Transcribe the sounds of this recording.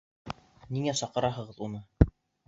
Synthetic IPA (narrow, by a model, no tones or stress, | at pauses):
niŋæsɑqɤ̆ɾɑɦɤ̆ʁɤðunɤ